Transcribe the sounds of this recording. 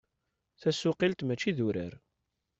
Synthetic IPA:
θæsʊqilt̪mæt͡ʃːiðuɾə̰ɾ

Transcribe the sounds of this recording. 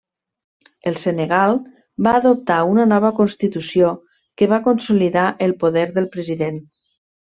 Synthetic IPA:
əlˠseneɣalˠ | baːðop̚t̪aunənɔβ̞əkonst̪it̪usio | kəβakonsuliðaʔəlˠpoðɛɾðəlˠpɾəziðen

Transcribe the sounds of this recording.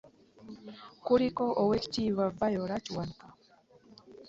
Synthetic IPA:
kuɾikoʔoweci̥t͡ʃiβavajoɾaciwanka

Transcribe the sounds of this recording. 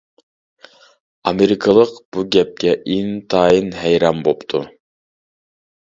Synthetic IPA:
ɑmeɾɪkʰəlˠəqb̥uɡʲɛp̚kʲɛʔint̪ʰɑːjinɦɛjɾɑmbopt̪ʰu

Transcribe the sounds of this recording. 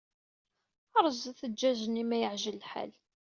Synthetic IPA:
əɾˤzθəd͡ʒːæzənːimæjəʕʒəlːħa̰l

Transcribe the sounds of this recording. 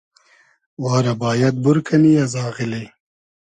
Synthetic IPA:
wɑːɾabɑːjad̪̚buɾkʰanijazɑːɣɪle

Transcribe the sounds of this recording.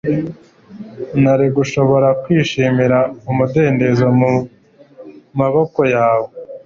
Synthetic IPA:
naɾiɡuʃo̞βo̞ɾakwiːʃiːmiɾaumude̞ːnde̞zo | maβo̞ko̞jaːwo

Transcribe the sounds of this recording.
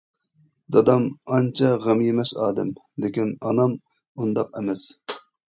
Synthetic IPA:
d̪ɑd̪ɑmɑnt͡ʃʰɑʁemjemɛsɑ̰ːd̪ɛm | lɪkʲinɑnɑm | und̪ɑqɛmɛs

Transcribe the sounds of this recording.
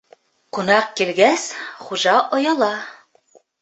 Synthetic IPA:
qŭnɑq̚kilɡæsχuʒɑʔɒjɑlˠɑ

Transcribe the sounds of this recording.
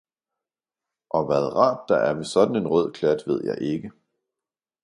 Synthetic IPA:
ʔɒ̽ʋæð̞ˠʁɑ̰̈ːd̥ːɑ̈ʔæɐʋe̝sɒ̽d̥n̩e̝nʁœð̰ˠkʰlæd̥ʋe̝ð̞̰ˠjɑ̈ɪʔe̝ɡ̥ə

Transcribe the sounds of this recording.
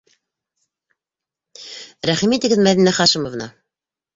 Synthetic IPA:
ɾæχimit̪ɘ̆ɡɘðmæðinæχɑʃɘmovnɑ̰

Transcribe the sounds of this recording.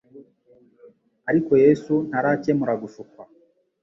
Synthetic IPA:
aɾikojesun̥aɾacemuɾaɡufukwa

